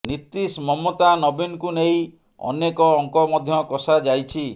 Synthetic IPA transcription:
nit̪ːismɔmːot̪anɔbinɔkunej | ɔ̰nekɔːŋkɔmɔd̪ʱjɔkɔsad͡ʒajt͡ʃʰi

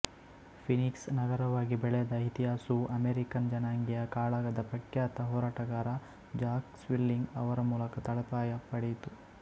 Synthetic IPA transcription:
pʰiniksnɐɡɐɾɐʋaːɡibɛɭɛɐd̪ɐit̪iɦaːsuʔɐmeːɾikɐnd͡ʒɐnaːŋɡijɐkaːɭaːɡɐd̪ɐpɾɐkjaːt̪ɐɦɔːɾaːʈɐɡaːɾɐ | d͡ʒaːksʋilːiŋɡɐʋɐɾɐmuːlɐkɐt̪ɐɭɐpaːjɐpɐɽejt̪u

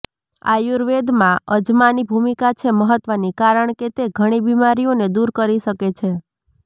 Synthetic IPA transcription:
a̰juɾʋed̪mãəd͡ʒmanibʱumikat͡ʃʰeməɦət̪ʋənikaɾəɳket̪eɡʱəɽ̃ibimaɾijoned̪uɾkəɾiʃəket͡ʃʰe

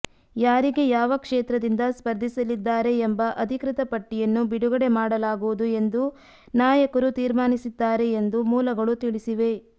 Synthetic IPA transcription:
jaːɾiɡe̞jaːʋɐkʂeːt̪ɾɐd̪ind̪ɐspɐɾd̪ʱisɐlid̪ːaːɾe̞ːmbɐʔɐd̪ʱikɾɪt̪ɐpɐʈːijɐnːubiɽuɡɐɽe̞maːɽɐlaːɡuʋud̪ue̞nd̪u | naːjɐkɐɾut̪iːɾmaːnisid̪ːaːɾe̞ːnd̪umuːlɐɡɐɭut̪iɭisiʋe̞

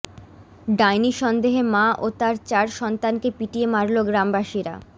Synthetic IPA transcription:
ɖajniʃɔnd̪eɦemaʔot̪aɾt͡ɕaɾʃɔnt̪ankepiʈiemaɾloɡɾambaʃiɾa̰

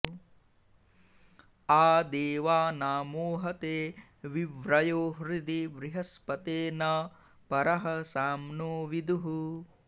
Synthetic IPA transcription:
aːd̪eːʋaːnaːmoːɦɐt̪eː | ʋiʋɾɐjoːɦɾid̪iʋɾiɦɐspɐt̪eːnɐ | pɐɾɐɦɐsaːmnoːʋid̪uɦu

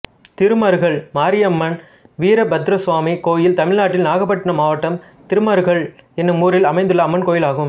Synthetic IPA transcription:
t̪ɪɾɯmɐɾɯɣɐɭmaːɾɪjɐmːɐn | ʋiːɾɐbɐd̪ɾɐsʋaːmikoːjɪlt̪ɐmɪɭnaːʈːɪlnaːɣɐpːɐʈːɐnɐmaːʋɐʈːɐm | t̪ɪɾɯmɐɾɣɐɭɛnːɯmuːɾɪlɐmɐɪnd̪ɯɭːɐɐmːɐnkoːjɪlaːɣɯm

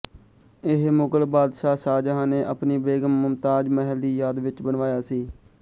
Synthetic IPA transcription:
ɪɦmoɡəlbaːd̪ʃaːsaːd͡ʒaɦaːneːʔəpniːbeːɡəmːʊmt̪aːd͡ʒməɦəld̪iːjaːd̪ʋɪt͡ʃbənʋaːjaːsiː

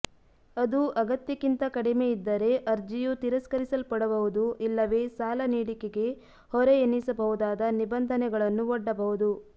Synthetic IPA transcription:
ɐd̪uʔɐɡɐt̪jɐkint̪ɐkɐɽimeid̪ːɐɾe̞ʔɐɾd͡ʒijut̪iɾɐskɐɾisɐlpɐɽɐbɐʋud̪uʔilːɐʋe̞ːsaːlɐniːɽikeɡe̞ | hɔɾeenːisɐbɐɦud̪aːd̪ɐnibɐnd̪ʱɐnɛɡɐɭɐnːuɔɖːɐbɐɦud̪u

